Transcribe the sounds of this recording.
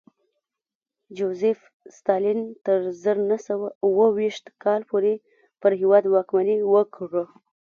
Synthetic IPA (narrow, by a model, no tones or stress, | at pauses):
d͡ʒozef | st̪ɑlint̪əɾzəɾnasawauwəwiʃt̪kʰɑlpoɾe | pəɾɦɪwɑd̪wɑkmaniwəkʐə